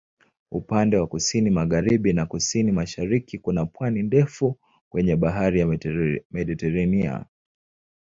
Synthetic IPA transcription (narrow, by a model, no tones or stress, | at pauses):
ṵpandɛwakusinimaɣaɾiɓinakusinimaʃaɾikikunapwanindɛfu | kwɛɲɛɓaɦaɾijamɛɗitɛɾania̰